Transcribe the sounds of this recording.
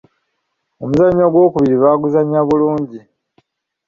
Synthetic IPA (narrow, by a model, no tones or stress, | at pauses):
omuzaɲːoːɡwo̞ːkuβiɾiβaːɡuzaɲaβuluːɲɟi